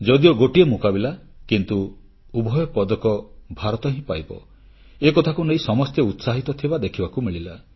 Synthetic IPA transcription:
d͡ʒɔd̪iɔɡoʈiemukabilakint̪u | ubʱɔjɔpɔd̪ɔkɔbʱaɾɔt̪ɔɦĩpajbɔ̰ | ekɔt̪ʰakuneĩsɔmɔst̪jeut̪saɦit̪ɔt̪ʰibad̪ekʰibakumiɭila

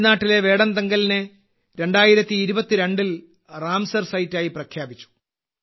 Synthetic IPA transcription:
naːʈːile̞ʋe̞ːɽɐnd̪ɐŋɡɐlinɨ | ɾe̞ɳɖaːjiɾɐt̪ːiːɾubɐt̪ːiɾe̞ɳɖil | raːmsɐrsɐjtːaːjiprɐkʰjaːbit͡ɕːu̥

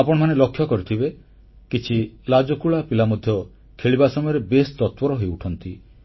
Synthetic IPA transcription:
apɔɽɔmanelɔkʰːjɔkɔɾit̪ʰibe | kit͡ʃʰilad͡ʒɔkuɭapilamɔd̪ʱjɔ | kʰeɭibasɔmɔjɔɾebest̪ɔt̪pɔɾɔɦojuʈʰɔnt̪i

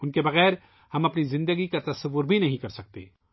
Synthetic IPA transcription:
ʊnkebɐɣɛːɾ | hɐmɐpnizɪ̃nd̪əɡikat̪ɐsɐʋːʊɾbʱinɐɦĩkɐɾsɐk̚t̪ḛː

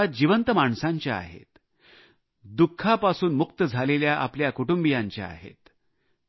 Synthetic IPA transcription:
ad͡ʑiʋənt̪əmaɳsaɲt͡ɕjaa̰ɦḛt̪ | d̪ukʰːapasuːnmuk̚t̪əd͡zʱaleljaʔa̰pljakuʈumbijaɲt͡ɕja̰a̰ɦḛt̪

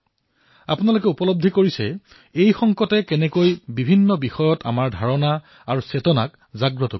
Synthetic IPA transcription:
a̰punalokɛupɔlob̚dʱikoɹisɛ | ejxɔŋkɔtɛkɛnɛkojbibʱinːɔbixɔjɔta̰maɹdʱaɹɔna | aɹusetɔna̰k | zaɡɹɔtɔ

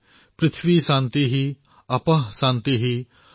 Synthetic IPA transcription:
pɾɪt̪ʰʋiːʃãːnt̪iɦiː | ɐpəɦsãːnt̪iɦiː

